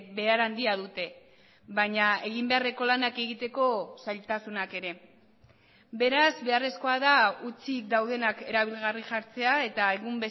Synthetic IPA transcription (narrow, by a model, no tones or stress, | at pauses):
be̞aɾand̪iaðut̪e̞ | βaɲae̞ɣ̞imbe̞are̞ko̞lanake̞ɣit̪e̞ko̞sajlt̪asunake̞ɾe̞ | be̞ɾazβe̞are̞sko̞aðaut͡sik̚d̪awðe̞nake̞ɾaβ̞ilɣariʝaɾt͡se̞ae̞t̪ae̞ɣumbe̞